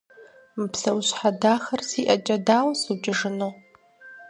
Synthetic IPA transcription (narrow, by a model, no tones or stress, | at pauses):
mpʰsawɕʷħadaxarsiʔat͡ʃʼadalsut͡ʃʼɪʐɨno